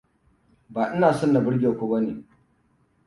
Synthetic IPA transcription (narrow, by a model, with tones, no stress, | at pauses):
baː˨ʔɪ˦naː˨sɔ˦nːa˨bɪ˦ɽɡʲeː˨kʷoː˦bɐ˦neː˨